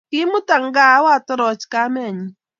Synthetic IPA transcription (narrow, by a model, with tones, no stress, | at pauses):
kɪ˦mʊ˦ta˨ŋɡa˦wa˦tɔ˦ɾɔ˨t͡ʃka˦mɛ˦˨ɲi˨